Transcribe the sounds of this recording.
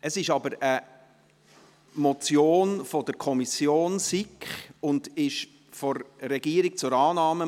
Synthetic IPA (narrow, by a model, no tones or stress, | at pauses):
ʔəsɪʃɑbəɾə | mɔt͡sjoːnfɔd̥əɾkʰɔmisjoːnsikχʊndɪʃ | fɔɾːɛɡ̥iəɾik̚t͡sʊɾɑːnɑːmə